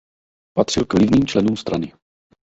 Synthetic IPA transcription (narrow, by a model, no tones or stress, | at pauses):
pat̪r̥ɪlkvlɪvniːmt͡ʃlɛnuːmst̪ɾanɪ